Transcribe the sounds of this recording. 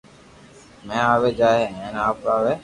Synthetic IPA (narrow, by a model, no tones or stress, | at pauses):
mɛ̃ːaːʋeːd͡ʒaːɦeːɛ̃ːnaːpaːʋeː